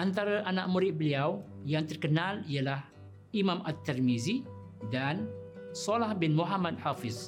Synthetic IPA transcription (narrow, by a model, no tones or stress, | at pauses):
ʔant̪aɾaʔanaʔ̚mũɾɪʔ̪̚bəliawjaŋt̪ərkənãlialah | imãmʔat̪ːɛrmizi | dansɔlahbɪnmuɦamad̚hafɪs